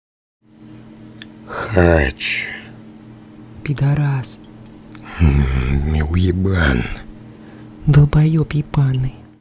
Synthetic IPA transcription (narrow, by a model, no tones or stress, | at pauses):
xat͡ʃ | pʲid̪aɾas̩ | mʲiwjiban | d̪ɨlˠbajɔpʲipanːɨ